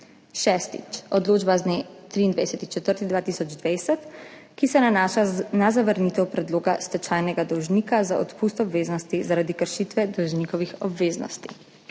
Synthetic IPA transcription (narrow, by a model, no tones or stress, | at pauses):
ʃɛst̪ḭt͡ʃɔd̪loːd͡ʒbaznet̪ɾiːnd̪ʋajsɛt̪it͡ʃɛt̪əɾt̪id̪ʋaːt̪iːsɔd͡ʒd̪ʋajsɛt̪ | kisɛnanaːʃanazaʋəɾnit̪ɛwpɾɛd̪loːɡast̪ɛt͡ʃajnɛɡad̪ɔwʒniːkazaɔt̪puːst̪ɔbʋeːznɔst̪izaɾad̪ikəɾʃit̪ʋɛd̪ɔwʒniːkɔʋixɔbʋeːznɔ̰st̪ḭ